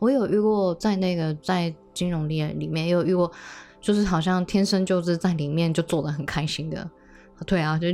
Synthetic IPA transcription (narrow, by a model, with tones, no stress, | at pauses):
wɔ˧˥jo˨˩ʊʔy˥˧kwɔ˥˧t͡sa˥˧ɪna˥˩ɡə˩t͡sa˥˩ɪ | t͡ɕi˥nɻʊ˧˥ŋljɛ˥˩li˨˩mjɛ˥˩˧njɛ˧˥jo˨˩y˥˧˥kwɔ˥˩t͡ɕjo˥˧ʊʂ̬ɻ̩˥˩xɑ˨˩ʊɕ̬jɑ˥˩ŋt̪ʰjɛ˥nʂə˥nt͡ɕjo˥˧ʊʂɻ̩˥˧t͡sa˥˩ɪli˨˩mjɛ˥˧nt͡ɕjo˥˧ʊt͡swɔ˥˩d̪ə˩xə˨˩nkʰa˥ɪɕi˥ŋd̪ə̰˨˧ | t̪we˥˩ɪa˩t͡ɕo˥˧